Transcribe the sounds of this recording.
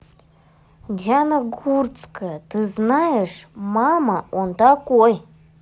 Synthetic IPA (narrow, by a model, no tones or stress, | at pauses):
danaɡurt͡sʼkʰʼatɨznajeʂmamaontakʷʼuj